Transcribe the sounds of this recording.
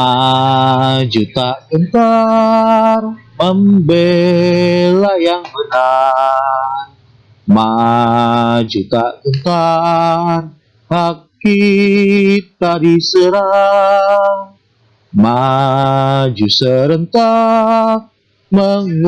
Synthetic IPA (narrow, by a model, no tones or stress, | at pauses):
a | d͡ʒut̪aʔkənt̪a | rməmbe | lajaŋbəna | r | ma | d͡ʒut̪akənt̪a | r | haki | t̪aɾisəɾa | ŋ | ma | d͡ʒusəɾənt̪a | məŋ